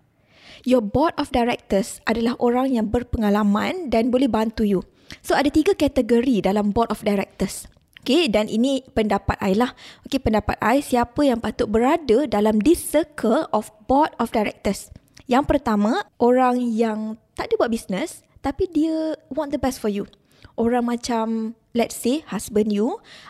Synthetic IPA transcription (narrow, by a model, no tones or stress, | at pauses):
jɔbɔt̪̚ɔfdajɾɛk̚t̪əsadalahʔoɾaŋjaŋbərpəŋalamãndanbolɛhbant̪uju | soadat̪iɡakɛt̪əɡəɾidalambɔt̪ɔfdajɾɛk̚t̪əs | ʔokedanḭnĩpəndapat̪ajlahokepəndapa̰t̪ajsiapəjaŋpat̪ʊʔ̚bəɾadədalamdisəkʰəlɔfbɔt̪̚ɔfdajɾɛ̰k̚t̪əs | jaŋpərt̪amãʔoɾaŋjaŋt̪aʔdəbwat̪̚bisnəs | t̪apidiəwɔ̃nd̪əbɛstfɔju | ʔoɾaŋmãt͡ʃam | lɛt̚sehasbə̃nju